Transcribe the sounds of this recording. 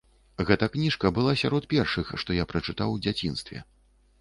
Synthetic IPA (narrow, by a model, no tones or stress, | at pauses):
ɣɛt̪ɐknʲiʂkɐbɨlˠasʲaɾɔt̪̚pʲɛrʂɨxʂt̪ɔjapɾɐt͡ʂɨt̪awd͡zʲat͡sʲinst̪vʲɛ̰